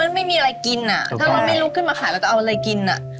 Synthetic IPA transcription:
a˧nma˥˩jmiː˧ʔa˧ɾa˧jki˧nʔa˨˩t̪ʰa˥˩aː˧˦ma˥˩jɾuː˦˥kʰɯ˥˩nmaː˧kʰaː˨˦lɛː˧˦˩kaː˥ʔʔa˧ɾa˧jki˧nʔa̰˨˩ʔ

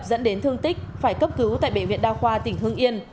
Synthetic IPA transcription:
p̚zə̰˧˥nɗe˨˦nt̪ʰɨ˧əŋt̪ï˦˥k̟̚faː˧˩jkə˦˥p̚kɨ˨˦wt̪a̰ː˧˨jɓḛ˧˨˩vḭ˧˨ənɗaː˧wxwaː˧t̪ï˧˩ŋ̟ɦɨ˧əŋʔi˧ən

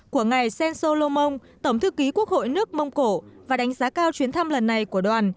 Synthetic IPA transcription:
ku˧˩əŋa˨˩jsɛ˧nso˧lo˧mə˧wŋ͡mt̪ə˧˩wŋ͡mt̪ʰɨ˧˨kːi˨˦ku˦˥ək̚ho̰˧˨jnɨ˦˥ək̚mə˧wŋ͡mko̰˧˨vaː˨˩ɗa˨˦ŋ̟zaː˨˦kaː˧wt͡ɕwi˨˦ənt̪ʰa˧mlə˨˩nːa˨˩jku˧˩əɗwaː˨˩n

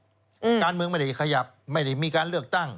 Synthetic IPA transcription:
kaː˧nmɯ˧əŋma˥˩jda˥˩kʰa˧ja˨˩p̚ma˥˩jda˥˩jmiː˧kaː˧nlɯ˥˩ək̚t̪a˥˩ŋ

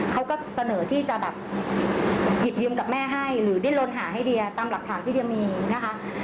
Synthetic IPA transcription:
kʰa˦˥wkɔː˥˩sa˧nɤː˩˦t̪ʰiː˥˩t͡ɕa˨˩bɛː˨˩p̚ | ji˨˩p̚jɯː˧mka˨˩p̚mɛː˥˩ɦa˥˩jɾɯː˩˦di˥˨nlo˧nɦaː˩˦ɦa˥˩jdi˧ɐt̪aː˧mla˨˩k̚t̪ʰaː˩˦t̪ʰiː˥˩di˧əmiː˧na˦˥kʰa˦˥

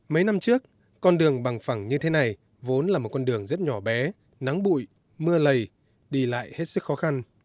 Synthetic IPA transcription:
mə˨˦jna˧mt͡ɕɨ˦˥ək̚ | kɔ˧nɗɨ˨˩əŋɓa˨˩ŋfa˧˩ŋɲɨ˧t̪ʰe˨˦na˨˩j | vo˨˦nlaː˨˩mo˨˩t̚kɔ˧nɗɨ˨˩əŋzə˦˥t̚ɲɔ˧˩ɓɛ˨˦ | na˨˦ŋɓṵ˧˨j | mɨ˧ələ˨˩j | ɗi˧˩la̰ː˧˨jhe˦˥t̚sɨ˦˥kxɔ˨˦xa˧n

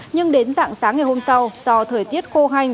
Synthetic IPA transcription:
ɲɨ˧ŋɗe˨˦nza̰ː˧˨ŋsaː˨˦ŋːa˨˩jho˧msa˧wz̥ɔ˧t̪ʰəː˧˩jt̪i˦˥ət̚xo˧ɦa˧jŋ̟

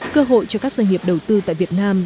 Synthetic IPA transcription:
kəː˧ɦo̰˧˨jt͡ɕɔ˧kaː˦˥k̚zəː˧ŋi˨˩əp̚ɗə˨˩wt̪ɨ˧t̪a̰ː˧˨vi˨˩ət̚naː˧m

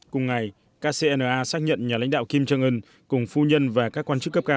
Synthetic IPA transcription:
kʊ˨˩ŋ͡mŋa˨˩j | kaː˧se˧ʔɛ˧nəː˨˩ʔaː˧saː˦˥k̚ɲə̰˧˨nɲaː˨˩la̰˧˥ŋ̟ɗaː˧˨wki˧mt͡ɕə˧ŋʔɨ˧n | kʊ˨˩ŋ͡mfu˧ɲə˧nvaː˨˩kaː˦˥kːwaː˧nt͡ɕɨ˦˥kːə˦˥p̚kaː˧

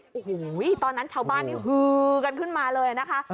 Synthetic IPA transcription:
ʔhu˨˩˦jt̪ɔː˧nːa˦˥nt͡ɕʰaː˧˩wbaː˥˩nːiː˧˩ɦɯː˧ka˧nkʰɯ˦˥˩nmaː˧lɤː˧ja˨˩na˦˥kʰa˦˥ʔ

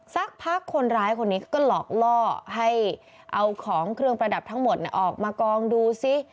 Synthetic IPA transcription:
sa˦˥˩k̚pʰaː˥˩kʰːo˧nɾaː˦˥jkʰo˧nːiː˦˥kʰa˦˥wkɔː˥˩lɔː˨˩k̚lɔː˥˩ɦa˥˩j | ʔa˧wkʰɔː˩˦ŋkʰɾɯ˧əŋpɾa˧da˨˩p̚t̪ʰa˦˥ŋmo˨˩t̪̚nḭ˧˩ʔɔː˨˩k̚maː˧kɔː˧ŋduː˧si˦˥˩

